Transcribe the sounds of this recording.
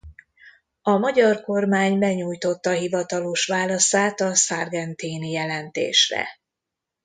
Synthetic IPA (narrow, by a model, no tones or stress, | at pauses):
ɒmɒɟɒrko̞rmaːɲbɛɲuːjt̪o̞t̪ːɒɦivɒt̪ɒloʃʋaːlɒsaːt̪ɒsarɡɛnt̪iːnijɛlɛnt̪ḛːʃrɛ̰